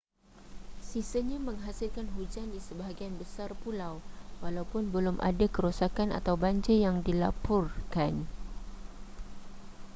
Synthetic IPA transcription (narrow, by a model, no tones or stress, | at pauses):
sisəɲaməŋɦasɪlkanɦud͡ʒandisəbaɦaɡianbəsarpulawwalaupʊnbəlʊmʔa̰dakəɾusakana̰t̪awbaɲd͡ʒəjaŋdilapʊrkan